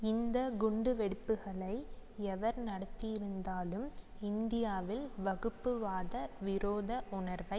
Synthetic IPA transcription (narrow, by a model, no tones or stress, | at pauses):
ɪnd̪ɐɡʊɳɖɯʋɛɽɯpːɯɣɐɭɐɪɛʋɐɾnɐɽɐt̪ːɪjɪɾɯnd̪aːlɯm | ɪnd̪ɪjaːʋɪlʋɐɣɯpːɯʋaːðɐʋɪɾoːðɐʔʊɳɐɾʋɐɪ